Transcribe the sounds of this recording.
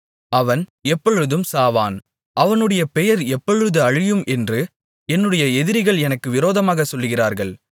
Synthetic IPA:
ɐʋɐnɛpːɔɻɯðɯmsaːʋa̰ːn | ʔɐʋɐnɯɽɐjɐpɛjɐɾɛpːɔɻɯðɯɐɻɪjɯmʔɛndrɯ | ɛnːɯɽɐjɐɛðɪɾɪɣɐɭɛnɐkːɯʋɪɾoːðɐmaːɣɐsɔlːɯɣɪraːɾɣɐɭ

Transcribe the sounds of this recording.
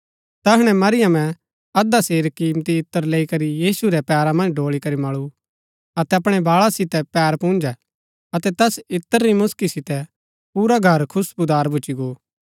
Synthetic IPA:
t̪ɐɦɽ̃ɛmɐɾɪjəmɛ̃ | ɐd̪aseːɾkːiːmt̪iɪt̪ːəɾleːikɐɾijiːsuɾɛpɛːɾamɐ̃nd͡ʒɖʱoːɭikɐɾimɐɭu | ɐt̪ɛɐpɽ̃ɛbaːɭasɪt̪ɛpɛːɾpũːnd͡ʒɛ | ɐt̪ɛt̪ɛsɪt̪ːəɾːimʊskisɪt̪ɛ | puːɾaɡʱɐɾkʰʊsbʊd̪aːɾbʱʊt͡ʃiɡoː

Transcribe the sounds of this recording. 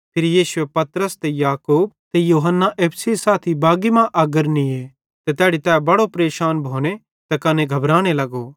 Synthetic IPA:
pʰeːɾijiːʃʊepɐt̪ɾəst̪ejaːkuːb̚t̪ejuːɦənːaʔeːpʰsesaːt̪ʰibaːɡimãʔɐɡəɾnie | t̪et̪ɛːɽit̪ɛːbɐɽopɾeːʃaːnbʱoːɽ̃e | t̪ekɐnẽɡʱɐbɾaːɽ̃elɐɡoː

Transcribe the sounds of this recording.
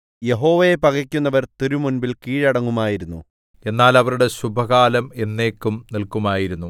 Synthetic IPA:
je̞ɦo̞ːʋɐjepɐɡɐkʲːunːɐʋɐrt̪iɾumunbilkiːɻɐɽɐŋːumaːjiɾunːṵ | e̞nːaːlɐʋɐɾuɽe̞ɕubʱɐɣaːlɐme̞nːe̞ːkːumnilkumaːjiɾunːu

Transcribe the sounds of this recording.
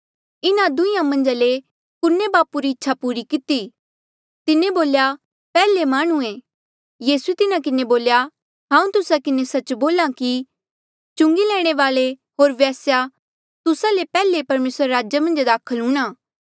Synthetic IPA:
ɪnãd̪ʊijãmɐ̃nd͡ʒale | kʊnːebaːpuɾiɪtːʃʰapuːɾikɪt̪i | t̪ɪnẽboːlja | pɛːlemaːɽ̃ũeː | jiːsuet̪ɪnak̬ɪneboːlja | ɦãːũt̪ʊsakɪnesɐt͡ʃboːlãki | t͡ʃʊ̃ŋɡilɛːɽ̃eʋaːleɦoːɾʋjaːsja | t̪ʊsalepɛːlepɐɾmeːsɾaɾaːd͡ʒjamɐ̃nd͡ʒd̪aːkʰəlɦʊ̃ːɽ̃aː

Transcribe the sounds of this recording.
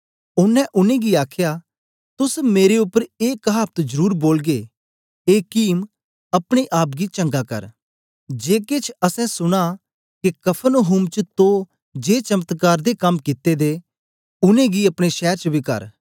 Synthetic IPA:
ʊnːɛ̃ʔʊnẽɡiaːkʰja | t̪ʊsmeːɾeʊpːəɾeːkɦaːp̚t̪d͡ʒəɾuːɾboːlɡe | eːkiːm | ɐpɽ̃eʔaːp̬ɡit͡ʃɐ̃ŋɡakɐ̰ɾ | d͡ʒeːkeːt͡ʃʰɐsɛ̃sʊɽ̃a | kekɐpʰənoɦuːmt͡ʃət̪o | d͡ʒeːt͡ʃɐmət̪kaːɾd̪ekɐmkɪt̪ːed̪e | ʊnẽɡiɐpɽ̃eʃɛːɾt͡ʃəbʱikɐ̰ɾ

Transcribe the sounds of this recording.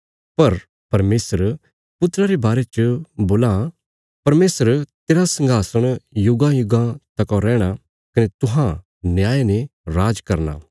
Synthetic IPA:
pɐɾ | pɐɾmeːsəɾ | pʊt̪ːɾaɾebaːɾet͡ʃboːla | pɐɾmeːsəɾt̪eːɾasɐ̃ŋɡʱaːsəɽ̃jʊɡãjʊɡãt̪ɐkoɾɛːɽ̃a | kɐnet̪ʊɦã | njaːeneɾaːd͡ʒkɐɾna̰ː

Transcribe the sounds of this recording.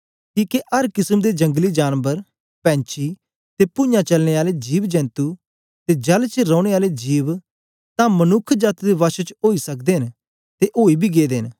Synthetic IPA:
kiːkeʔɐɾkɪsəmd̪ed͡ʒɐ̃ŋɡlid͡ʒaːnbəɾ | pɛ̃ːɲt͡ʃʰi | t̪epʊ̃jãt͡ʃəlneaːled͡ʒiːbd͡ʒɛ̃ːnt̪u | t̪ed͡ʒɐlt͡ʃɾɔ̃ːɽ̃eaːled͡ʒiːʋ | t̪ãːmənʊkʰd͡ʒət̪d̪eʋaːʃut͡ʃoːisəkd̪eːɦɪn | t̪eʔoːibʱiːɡeːd̪eːɪn

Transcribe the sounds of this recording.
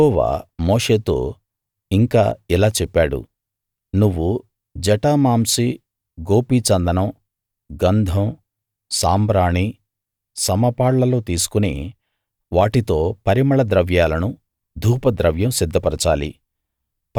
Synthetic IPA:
ɔːʋa̰ːmoːʂe̞ːt̪o̞ː | iŋka̰ːilaːt͡ʃɛpːaːɽṵ | nuʋːu | d͡ʒɐʈaːmaːmsi | ɡoːpit͡ʃɐnd̪ɐnɐm | ɡɐnd̪ʱɐm | saːmbɾaːɳi | sɐmɐpaːɽlɐlo̞ːt̪iːsu̥kunḭ | ʋaːʈit̪o̞ːpɐɾimɐɭɐd̪ɾɐʋjaːlɐnu | d̪ʱuːpɐd̪ɾɐʋjɐmsid̪ʱːɐpɐɾɐt͡ʃaːlḭ

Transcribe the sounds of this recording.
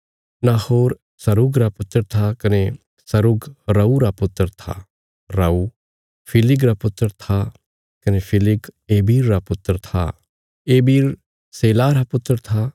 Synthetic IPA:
nahoːɾ | sɐɾʊɡɾapʊt̪ːəɾt̪ʰakɐne | sɐɾʊɡɾɐuɾapʊt̪ːəɾt̪ʰa̰ | ɾɐu | pʰɪlɪɡɾapʊt̪ːɾəɾt̪ʰa | kɐnepʰɪlɪɡeːbiːɾːapʊt̪ːəɾt̪ʰa̰ | eːbiːɾ | seːlaːɾapʊt̪ːəɾt̪ʰa

